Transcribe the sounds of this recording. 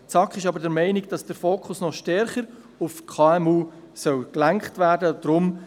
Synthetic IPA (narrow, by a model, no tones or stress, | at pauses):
t͡sɑkχɪʃɑbəɾdɛɾmɛɪnɪkd̥ɑsd̥əɾfoːkχʊsnɔʃtɛɾχəɾ | ufkʰɑːɛmuː | sœlklæŋkχtvæːɾdəd̥ɾʊm